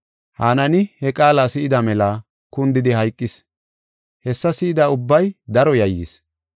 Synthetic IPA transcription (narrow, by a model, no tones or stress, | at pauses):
haːnɐnɪhɛkʼaːlasɪʔɪd̪ɐmɛla | kʊnd̪ɪd̪ɪhɐjkʼːɪs | hɛsːɐsɪʔɪd̪aʊbːɐjd̪ɐɾɔjɐjːɪ̰s